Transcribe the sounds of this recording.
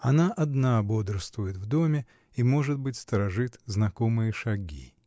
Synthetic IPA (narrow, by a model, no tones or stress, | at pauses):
ɐnaʔɐd̪nabo̞d̪ɾəst̪vʊjɪt̪vd̪o̞mʲɪ | imo̞ʐɨt̪̚bɨtʲst̪əɾɐʐɨt̪znɐko̞mɨjəʂɐɡʲḭ